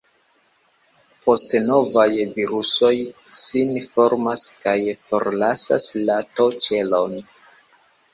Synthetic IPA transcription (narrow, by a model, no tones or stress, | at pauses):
po̞stno̞vajviɾuso̞j | sinfo̞ɾmaskajfo̞ɾlasa̰slato̞t͡ʃe̞lo̞n